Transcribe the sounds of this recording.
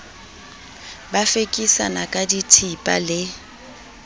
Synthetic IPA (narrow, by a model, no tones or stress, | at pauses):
bafekʼisa̰nakʼaditʰipʼa̰lɪ